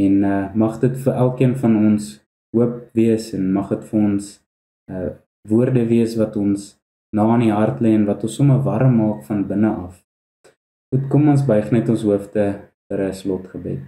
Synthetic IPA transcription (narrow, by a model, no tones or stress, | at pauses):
ɛnəmɐχdətfəʔælˠkiənfɐnɔns | ɦuəp̚viəsɛnmɐχdətfəɔns | ə | vuərdəviəsvɐtɔns | nɑːniɦɐrtlɛɛnvɐtɔnsɔməvɐɾəmɑːkfɐnbənəʔɐf | χutkɔmɔnsbəjχnɛtɔnsɦuəftə | fəɾəslɔtχəbɛt